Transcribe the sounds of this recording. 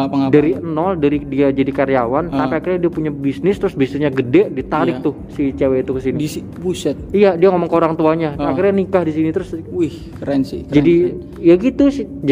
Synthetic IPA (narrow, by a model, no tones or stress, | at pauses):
ŋdaɾiənɔldaɾidiad͡ʒadikaɾjawant̪apiakirɲadiapuɲabisnɪst̪ɾʊsbisnɪsɲaɡədɛʔdit̪aɾɪk̚t̪ʊhsit͡ʃeweit̪ukəsiniii | pusɛt̪̚ijadiaŋomɔŋkəoɾaŋt̪uaɲaakirɲanikahdisinit̪ɾʊsih | kəɾɛnsḭd͡ʒadi | jaɡit̪usɪd͡ʒ